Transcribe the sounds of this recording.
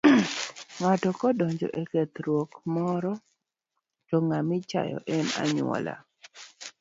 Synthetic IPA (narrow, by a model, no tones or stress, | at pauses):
ŋatɔkɔdɔɲd͡ʒɔ̰ʔɛkɛt̪ɾwokmɔɾɔ | d͡ʒɔŋamɪt͡ʃa̰jɔ̰ʔɛna̰ɲʊwɔ̰la̰